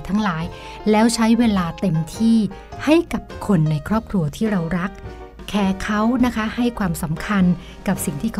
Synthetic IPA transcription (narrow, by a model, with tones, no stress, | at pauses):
t̪ʰa˦˥ŋlaː˩˦j | lɛː˦˥wt͡ɕʰa˦˥jweː˧laː˧t̪e˧mt̪ʰiː˥˩ha˥˩jka˨˩p̚kʰo˧nːa˧jkʰɾɔː˥˩p̚kʰɾu˧ɐt̪ʰiː˥˩ɾa˧wɾa˦˥k̚ʰː | ɛː˧˩kʰa˦˥wna˦˥kʰa˦˥ha˥˩jkʰwaː˧msa˩˦mkʰa˧n | ka˨˩p̚si˨˩ŋt̪ʰiː˥˩kʰ